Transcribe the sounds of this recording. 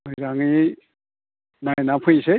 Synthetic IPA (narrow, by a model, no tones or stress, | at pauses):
ɡɯjzaŋi | najnapʰɯjse